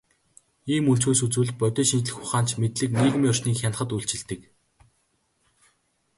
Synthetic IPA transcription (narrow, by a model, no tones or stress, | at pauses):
iːmun̥t͡suːsut͡suːɮ̚pœt̪ʲɔːʃint͡ɕɮɘ̆xʊχaːn̥t͡ɕmet̪ɮɘ̆kneːɣ̆miːɔr̥ʃniːkxʲan̆χə̆t̪uɬt͡ɕɪ̆ɮt̪ɘ̆k